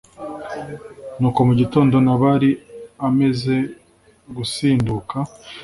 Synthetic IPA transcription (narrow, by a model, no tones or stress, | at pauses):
nuːko̞muɟito̞ːndo̞naβaɾiame̞ze̞ | ɡusiːnduka